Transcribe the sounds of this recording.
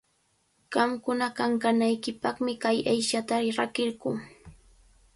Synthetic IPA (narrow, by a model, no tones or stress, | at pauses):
ɢ̥ɑmkʊnakaŋkanajkɪpɑχmɪkajajʃat̪aɾakɪɾɢʊː